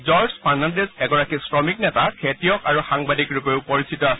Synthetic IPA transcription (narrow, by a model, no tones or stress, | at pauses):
zɔɹzpʰaɹnandesɛɡɔɹakisɹɔmiknɛtakʰetijɔkaɹuxaŋbadikɹupeʊpɔɹisitɔasɛ